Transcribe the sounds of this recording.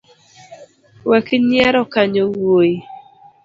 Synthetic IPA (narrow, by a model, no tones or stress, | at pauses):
wɛkiɲjɛɾɔkaɲowoji